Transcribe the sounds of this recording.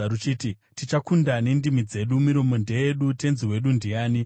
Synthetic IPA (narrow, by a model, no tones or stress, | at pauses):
ɾut͡ʃiti | tit͡ʃakundane̞ndimid͡ze̞ɗumiɾo̞mo̞nde̞jeɗute̞nziwe̞ɗundijaːni